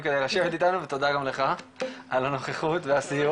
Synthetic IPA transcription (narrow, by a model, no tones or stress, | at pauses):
ked̪ejʁaʃevet̪it̪anuvet̪o̞d̪aɡamle̞χaʔalano̞χeχut̪veasiju